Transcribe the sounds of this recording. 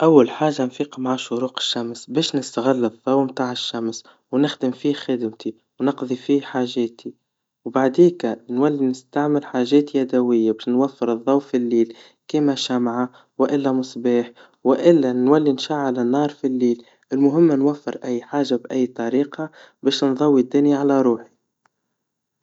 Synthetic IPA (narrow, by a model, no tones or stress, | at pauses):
ʔawːalħaːʒːanfiːqɑmaʕaʃʊɾuːqɪ̥ʃːamsbɛːʃnɪst̪aɣɪlːɨðˤːɑwmt̪aːʕɪʃːams | wnɪxd̪ɪmfiːxɪd̪mt̪i | wnɑqðˤifiːħaːʒɛːt̪ʰi | wbaʕd̪iːkanwalːinɪst̪aʕmɪlħaːʒɛːt̪jæd̪æwɪjːabɛːʃnwafːəɾɨðˤːɑwfilːiːl | kiːmaʃamʕa | wʔɪlːæmʊsˤbɑːħ | wɪʔɪlːænwælːinʃaʕalanːɑːɾˤfilːiːl | ɪlmʊɦɪmːnwafːɪɾʔæjːħaːʒabʔæjːt̪ˤɑɾiːqɑ | bɛːʃnðˤɑwːid̪ːʊniʕalaɾˤuːħi̥